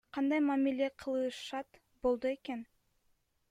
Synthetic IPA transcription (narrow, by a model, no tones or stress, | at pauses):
qʰɑnd̪ɑjmamilʲe̞qʰɯlˠɯʃɑt̪ | bo̞lˠd̪ue̞ke̞n